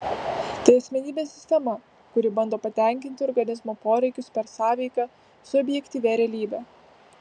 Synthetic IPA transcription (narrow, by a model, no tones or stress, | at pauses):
t̪ɐɪɐsʲmʲɛnʲiːbʲeːsʲɪsʲt̪ʲɛmɐ | kʊɾʲɪbɐnd̪oːpɐt̪ʲɛˑŋʲkʲɪnʲt̪ʲɪɔɾɡɐnʲɪzmoːpoːɾʲɛɪkʲʊspʲɛɾsɑːʋʲɛɪkɑ | sʊɔbʲjɛkʲt̪ʲiːʋʲeɾʲɛːlʲiːbʲɛː